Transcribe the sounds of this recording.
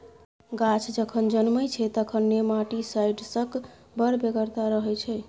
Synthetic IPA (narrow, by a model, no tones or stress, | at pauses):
ɡat͡ʃʰd͡ʒəkʰənd͡ʒənməjt͡ʃʰɛt̪əkʰənːemaʈisajɖsək | bəɾbeɡəɾt̪aɾəɦɛt͡ʃʰɛ